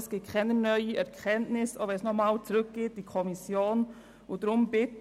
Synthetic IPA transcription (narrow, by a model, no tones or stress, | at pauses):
sɡ̥ekʰɛnənœʏəɛʁkʰɛntnɪso̰bɛsnɔχmaːlt͡suʁʏk̚ɡ̥eːt̚d̥iːkʰɔmɪsjoːn | odɾʊmbɪt